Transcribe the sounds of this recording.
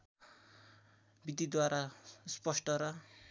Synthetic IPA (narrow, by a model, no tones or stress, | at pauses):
bid̪id̪waɾaspʌsʈʌɾʌ